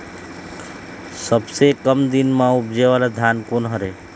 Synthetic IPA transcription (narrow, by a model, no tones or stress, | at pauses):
səbsekəmd̪inmãupd͡ʒeʋalad̪ʱjankonɦəɾe